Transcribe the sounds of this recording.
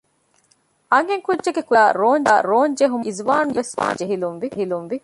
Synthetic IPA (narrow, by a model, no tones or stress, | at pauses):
ʔɐŋɦeŋkudʒeɡekuɾaːɾoːnd̪aːɾoːɲd͡ʒeɦumizʋaːnuʋesʋa̰ːd͡ʒeɦilunʋiɦilunʋi